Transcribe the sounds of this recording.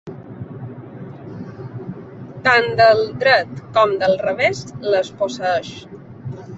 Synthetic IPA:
t̪and̪əlˠd̪ɾət̪kɔmd̪əlˠrəβesləsposəəʃ

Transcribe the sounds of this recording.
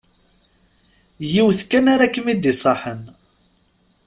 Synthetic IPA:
jiwθkːænaɾakːəmid̪isˤɑħən

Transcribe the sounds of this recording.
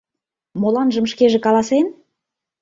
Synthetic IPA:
molɑnʒə̆mʃkeʒĕkɑlˠɑsen

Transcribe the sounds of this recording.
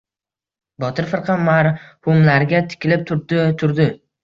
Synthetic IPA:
bɒt̪ʰɪɾfɨɾqʰɑmaɾhʊmlaɾɡʲat̪ʰɪ̥kʲʰɪlɪp̚t̪ʰʊɾd̪ɪt̪ʰʊɾd̪ɪ

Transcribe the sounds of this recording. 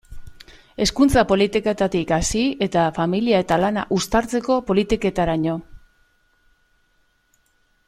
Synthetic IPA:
e̞skunt͡sapo̞lit̪iket̪at̪ikasie̞t̪afamiliae̞t̪alana̰ʔust̪aɾt͡se̞ko̞po̞lit̪ike̞t̪aɾaɲo̞

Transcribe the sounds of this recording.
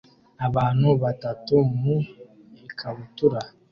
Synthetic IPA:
abanubatatomu | ekʰabutuɾa

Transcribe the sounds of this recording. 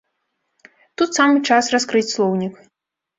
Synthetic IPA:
t̪ut̪samɨt͡ʂasraskɾɨt͡sʲslˠɔwnʲik

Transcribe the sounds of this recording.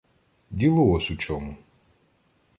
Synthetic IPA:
dʲilˠʊɔsʲut͡ʃɔmu

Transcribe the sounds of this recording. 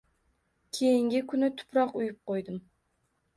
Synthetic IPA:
kʲʰejiŋɡʲɪkʰʲʊnɪt̪ʰʊ̥pɾɑqujʊp̚qʰojd̪ɨm

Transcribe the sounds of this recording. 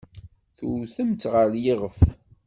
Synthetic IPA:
θuɾθəmt̪ʁəɾjiʁəf

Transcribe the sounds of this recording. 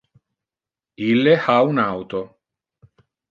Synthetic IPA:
ilːehaunawt̪o

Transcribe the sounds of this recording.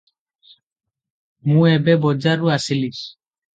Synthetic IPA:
mũɛbɛbɔd͡ʒaɾuasilis

